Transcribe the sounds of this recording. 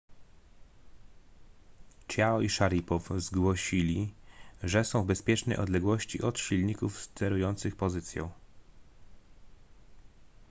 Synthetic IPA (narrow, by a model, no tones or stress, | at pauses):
t͡ɕjaɔiʂaɾʲipɔfzɡwɔɕilʲiʐɛsɔ̃w̃vbɛspʲjɛt͡ʂnɛjʔɔ̰d̪lɛɡwɔɕt͡ɕiʔɔt̪ɕilɲikufst̪ɛɾujɔnt̪sɘxpɔzɘt̪sʲjɔ̰̃w̃